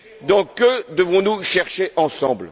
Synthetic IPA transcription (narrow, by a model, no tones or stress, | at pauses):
d̪ɑ̃kəd̪əvɔ̃nuʃɛʁʃeʔɑ̃sɑ̃bl